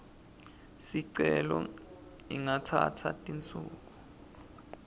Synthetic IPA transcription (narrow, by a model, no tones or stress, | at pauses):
siǀɛlɔ | iŋatʰatʰatʼint͡sʼuːk̬u